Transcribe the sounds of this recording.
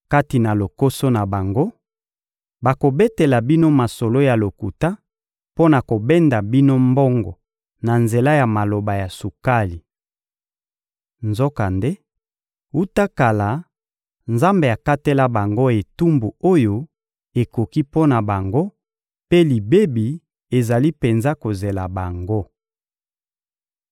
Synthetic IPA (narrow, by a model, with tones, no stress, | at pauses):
ka˦ti˨na˨lo˨ko˦so˦na˨ba˨ŋɡo˦ | ba˨ko˨be˦te˨la˨bi˦no˦ma˨so˨lo˦ja˨lo˨ku˨ta˦ | po˦na˨ko˨bɛ˦nda˨bi˦no˦mbɔ˦ŋɡɔ̰˨ | na˨nze˨la˦ja˨ma˨lo˨ba˨ja˨su˨ka˦li˨ | nzo˦ka˨nde˦ | u˦ta˦ka˨la˨ | nza˦mbe˨a˨ka˦te˦la˦ba˨ŋɡo˦e˨tu˦mbu˨o˦jo˨ | e˨ko˨ki˦po˦na˨ba˨ŋɡo˦ | pe˦li˨be˦bi˨ | e˨za˨li˦pe˨nza˦ko˨ze˨la˨ba˨ŋɡo˦